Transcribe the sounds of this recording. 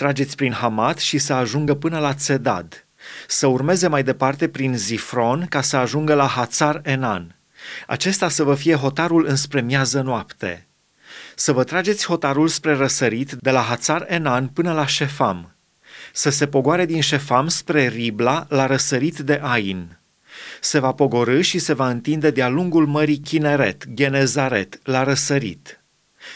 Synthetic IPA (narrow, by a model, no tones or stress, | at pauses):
t̪ɾad͡ʒe̞t̪sʲpɾinɦamat̪ʃisəaʒuŋɡəpɨnəlat̪se̞d̪a̰d̪ | səurme̞ze̞majd̪e̞part̪e̞pɾinzifɾo̞nkasəaʒuŋɡəlaɦat̪sare̞nan | a̰t͡ʃe̞st̪asəvəfije̞ɦo̞t̪aɾulɨnspɾe̞mjazənoapt̪e̞̰ | səvət̪ɾad͡ʒe̞t̪sʲho̞t̪aɾulspɾe̞ɾəsəɾit̪dd̪e̞laɦat̪sarenanpɨnəlaʃe̞fam | səse̞po̞ɡoaɾe̞d̪inʃe̞famspɾe̞riblalaɾəsəɾit̪d̪e̞ʔajin | se̞vapo̞ɡo̞ɾɨʃise̞vaɨnt̪ind̪e̞d̪ealuŋɡulməɾikʲine̞ɾe̞t̪ɡʲe̞nezaɾe̞̰t̪laɾəsəɾḭt̪